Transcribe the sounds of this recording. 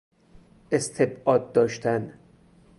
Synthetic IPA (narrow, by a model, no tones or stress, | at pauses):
ʔest̪ʰebʔɒːd̪̚ːɒːʃt̪ʰæn